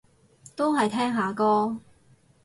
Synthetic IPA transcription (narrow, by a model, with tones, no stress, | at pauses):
t̪o˥wɦɐ˨jt̪ʰɛː˥ŋɦaː˨˧kɔː˥